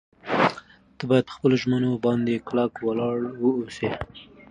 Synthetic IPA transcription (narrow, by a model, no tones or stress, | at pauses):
t̪əbɑjad̪̚pəxpəloʒmənobɑnd̪eklakwalɑɽwəuse